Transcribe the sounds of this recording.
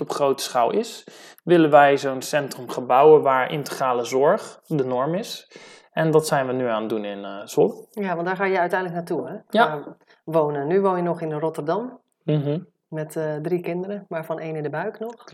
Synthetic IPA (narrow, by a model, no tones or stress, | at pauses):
ɔpχrowtə̥sχalˠɪs | ʋɪlənʋɛjzownsɛntrəmχəbawəʋaːɹʔɪ̰ntə̥χraːləzɔɹχdənɔɹmɪs | ɛndɔtsɛjnʋənyaːndunɪnzɔlˠjaʋɑntdaːxaːjəjœɥtɛjndlək̚natuɛa | ʋoːnənyʋoːnjənɔxɪnrɔtərdɑm̩ | ɦ̩ | mɛtdrikɪndəɾəmaːɹfɔnʔeːnɪndəbœɥknɔx